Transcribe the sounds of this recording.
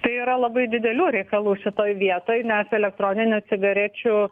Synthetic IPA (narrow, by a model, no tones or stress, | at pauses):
t̪ɐɪiːɾɐlˠɐbɐɪd̪ʲɪd̪ʲɛlʲuːɾʲɛɪkɐlˠuːʃʲɪt̪oːjʋʲiɛt̪oːjnʲɛsɛlʲɛk̚t̪ɾoːnʲɪnʲʊt͡sʲɪɡɐɾʲæt͡ʃʲʊ